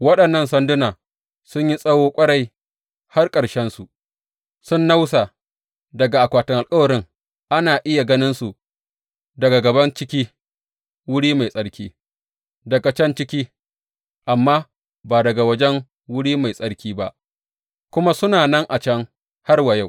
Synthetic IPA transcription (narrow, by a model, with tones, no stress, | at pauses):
wɐ˦ɗɐ˨nːɐ˦nsɐ˦ndʊ˦naː˨ | sʊ˦ɲji˦sʼɐ˦woː˦kʷʼɐ˦ɽa˨j | ha˦rkʼɐ˨ɽʃɛ˦nsu˨ | sʊ˦nːa˦wsa˨ | dɐ˨ɡa˨ʔa˨kʷaː˨tʊ˨ŋʔa˨lkʼɐ˦wɐ˨ɾɪ˦ŋ | ʔa˦naː˨ʔɪ˦ja˨ɡɐ˦nɪ˦nsu˨ | dɐ˨ɡa˨ɡɐ˨bɐ˦nt͡ʃɪ˦kʲiː˦ | wʊ˦ɽiː˦ma˨jsʼɐ˦ɽkʲiː˦ | dɐ˨ɡa˨t͡ʃɛ˦nt͡ʃɪ˦kʲiː˦ | ʔa˨mːaː˦ | baː˨dɐ˨ɡa˨wɐ˦d͡ʒɛ˦ŋ | wʊ˦ɽiː˦ma˨jsʼɐ˦ɽkʲiː˦ba˦ʔ | kʷʊ˦ma˦sʊ˦naː˨nɐ˦ŋʔa˨t͡ʃɐ˦ŋ | ha˦rwɐ˨ja˦˨w